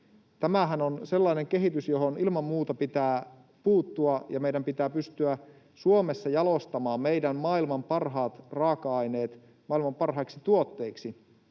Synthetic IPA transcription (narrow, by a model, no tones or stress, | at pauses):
t̪æmæɦænonse̞lːɑine̞ŋk̟eɦit̪ysjo̞ɦonilmɑmːuːt̪ɑpit̪æː | puːt̪ːuɑjɑmejdæmpit̪æːpyst̪yæ | suomesːɑjɑlost̪ɑmɑːmme̞jdæmmɑːilmɑmpɑrɦɑːt̪rɑːkɑɑjne̞ːt̪ | mɑilmɑmpɑrɦɑiksit̪uot̪ːe̞iksi